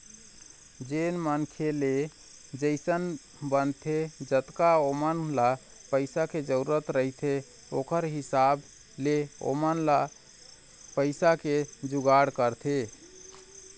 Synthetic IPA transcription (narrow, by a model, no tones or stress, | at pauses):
d͡ʒenmənkʰele | d͡ʒəɪsən | bənt̪ʰed͡ʒət̪kaomənla | pəɪsaked͡ʒəɾuuɾət̪ɾəɦt̪ʰe | o̰kəɾɦisab | leo̰mənla | pəɪsaked͡ʒuɡaɽkəɾt̪ʰe